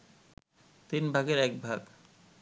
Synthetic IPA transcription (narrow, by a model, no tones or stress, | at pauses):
t̪inbʱaɡeɾɛk̚bʱaɡ